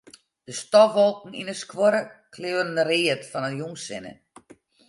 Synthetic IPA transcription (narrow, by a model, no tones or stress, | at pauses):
d̥əstɔʋɔlˠkŋ̩ḭnəskwoɾəkʰlɪwənərɪətfɔnəjuŋsɪnə̰